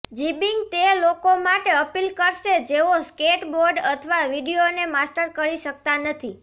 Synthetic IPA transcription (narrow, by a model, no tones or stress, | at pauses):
d͡ʒibiŋɡt̪elokomaʈeəpilkəɾʃed͡ʒeoskeʈboɾɖət̪ʰəʋaʋiɖijonemasʈəɾkəɾiʃək̚t̪anət̪ʰi